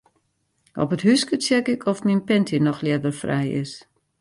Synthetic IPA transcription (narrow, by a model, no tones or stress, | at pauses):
ʔɔ̰pətɦyskət͡sjɛkɪkʰɔfminpɛntʰinɔxljɛdərfrɛ̰jɪ̰s